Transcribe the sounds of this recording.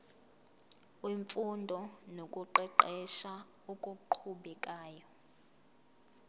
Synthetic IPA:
weɱfundʱɔnokʼuǃɛǃɛʃa | ukʼuǃʰuɓɛkʼaːjɔ

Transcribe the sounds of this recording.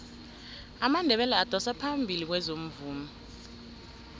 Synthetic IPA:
amandʱɛɓɛlɛad̥ʱɔsapʰambʱilik̬wɛzom̩vuːma

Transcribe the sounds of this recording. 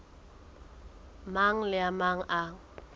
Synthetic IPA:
maŋ̩lɪamaŋ̩ʔa

